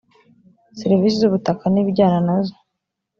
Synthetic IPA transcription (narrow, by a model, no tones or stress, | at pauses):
siɾivis̬izuβutakaniɟaːnanazo